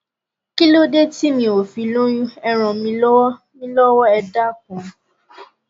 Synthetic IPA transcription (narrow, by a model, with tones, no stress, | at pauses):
ki˦lo˦de˦ti˦mĩ˧o˨fi˧˦lo˦jũ˦ɛ˧ɾ̃ɔ̃˨mĩ˧lɔ˦wɔ˦ | nĩ˦lɔ˦wɔ˦ɛ˧da˦˨k̚ũ˨˦